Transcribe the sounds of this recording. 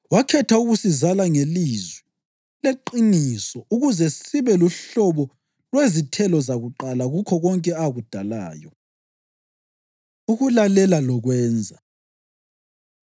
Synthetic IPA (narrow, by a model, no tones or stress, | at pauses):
wakʰɛtʰauɣusizalaŋelizwɛ | leǃinisɔʔuɣuzɛsiβɛluɬɔβɔ | lwezitʰɛlɔzaɣuǃalaɣukʰɔɣɔŋkʼɛaɣud̥ʱala̰ːjɔ | uɣulalɛlalɔɣwɛːnd͡zʱa